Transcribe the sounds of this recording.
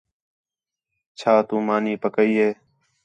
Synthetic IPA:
t͡ʃʰaːt̪ũːmaːniːpəkəiːɦeː

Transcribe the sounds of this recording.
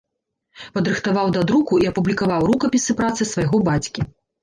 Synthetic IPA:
pɐd̪ɾɨxt̪avawd̪ad̪ɾukuiɐpublʲikavawɾukɐpʲisɨpɾat̪sɨsvajɣɔbat͡sʲkʲi

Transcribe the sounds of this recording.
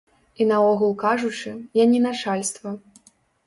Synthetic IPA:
inɐɔɣulˠkaʐut͡ʂɨjanʲinat͡ʂalʲst̪vɐ

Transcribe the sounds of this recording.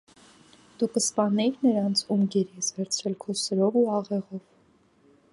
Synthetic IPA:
d̪̥ukəspɑnɛkʰnəɾɑnt͡sʰumɡɛɾɛsvɛɾt͡sʰɾɛlkʰɔsəɾɔvuɑʁɛʁɔv

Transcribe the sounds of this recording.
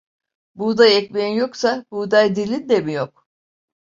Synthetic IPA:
bud̪ajɛcmeinjo̞ksabud̪ajd̪ilʲind̪emijok̚

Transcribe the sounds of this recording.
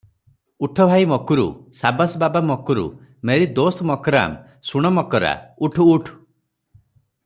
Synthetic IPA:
uʈʰɔbʱajmɔkuɾṵsabasbabamɔkuɾṵmeɾid̪osɔmɔkɔɾa̰m | suɽ̃ɔmɔkɔɾa̰uʈʰuːʈʰu̥

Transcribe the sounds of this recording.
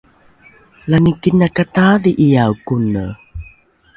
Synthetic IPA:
lanikinakataðiʔijawkunə̰

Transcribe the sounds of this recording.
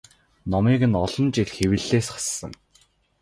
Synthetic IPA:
nɔmiːɣɘ̆nɔɮɞ̆nt͡ɕiɮxewɘ̆ɮeːsχḁsːə̰̆n

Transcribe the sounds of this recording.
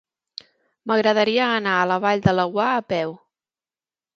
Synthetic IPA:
məɣɾəðəɾiəːnaələβ̞aʎd̪ələwaəpɛw

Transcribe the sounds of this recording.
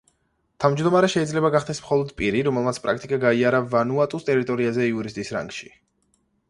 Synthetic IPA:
t̪ʰavmd͡ʒd̪ɔmaɾɛʃɛidzlɛbaɡaχd̪ɛsmχɔlˠɔd̪pʼiɾiɾɔmɛlˠmat̪sʰpʼɾa̰k̚ʰt̪ʼikʼaɡaiaɾavanuat̪ʼust̪ʼɛɾit̪ʼɔɾiazɛiuɾis̬t̪ʼisɾa̰ŋɡʃi̥

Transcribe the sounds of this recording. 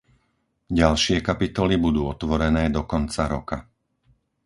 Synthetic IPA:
ɟalʃɪɛkapit̪ɔlibud̪uːɔt̪ʋɔɾɛnɛːd̪ɔkɔnt͡saɾɔka

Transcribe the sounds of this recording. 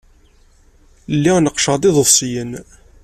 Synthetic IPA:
lːiʁnəqːʃəʁd̪iðˤəsˤːijən

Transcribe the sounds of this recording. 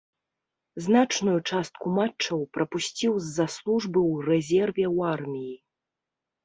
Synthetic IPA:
znat͡ʂnujut͡ʂast̪̚kumat͡ʂt͡ʂːɐwpɾɐpusʲt͡sʲiwzːaslˠuʐbɨwrɛzʲɛrvʲɛwarmʲiji

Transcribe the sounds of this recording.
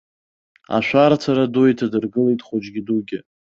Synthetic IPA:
a̰ʃʷᶣaɾt͡sʰaɾadujtʰadɨrɡɨlijtʼχod͡ʒɡʲɪduɡʲɪ

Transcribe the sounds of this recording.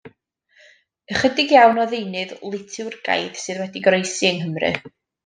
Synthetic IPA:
əχədɪɡjawnɔðejnɨðlˠɪtʰɨwrɡa̰jð̥sɨðwɛdiɡrejsiəŋɦəmrɨ̰

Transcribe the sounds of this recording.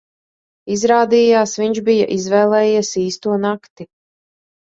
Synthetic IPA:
izɾaːd̪iːjaːsviɲʒbija̰ʔizvɛːlˠɛːjiɛsiːst̪uɔnakt̪i

